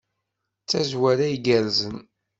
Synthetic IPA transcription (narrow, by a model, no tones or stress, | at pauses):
t͡sːæzwæɾæjɡæɾzən